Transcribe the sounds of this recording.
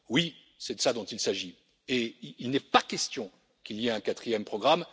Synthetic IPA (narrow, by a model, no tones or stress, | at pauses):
wi | sɛd̪əsad̪ɔ̃t̪ilsaʒi | eilnɛpakʲɛst̪jɔ̃ | kiliɛɛ̃kat̪χijɛmpχɔɡʁam